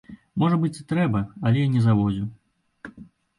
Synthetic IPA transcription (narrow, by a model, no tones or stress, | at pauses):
mɔʐɐbɨt͡sʲit̪ɾɛbɐɐlʲɛjnʲɛzavɔd͡zʲu